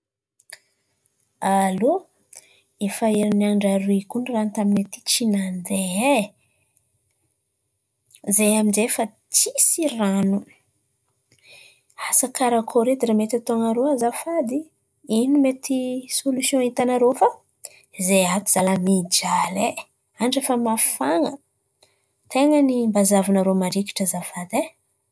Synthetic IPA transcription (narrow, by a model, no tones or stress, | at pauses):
alo | efaiɾinaɳɖ͡ʐaɾikuɳirant̪aminet̪i̥t͡ʃinand̪ee | zejaminzefa | t͡sisiranu | asakaɾakʰoɾed̪iɾamet̪at̪oŋaɾoazafad̪i | inimet̪isolusjõit̪anaɾofa | zejat̪iz̥alamid͡ʒale | aɳʈ͡ʂefəmafaŋə | t̪eŋənimbazavanaɾomaɾiki̥ʈ͡ʂəzafad̪e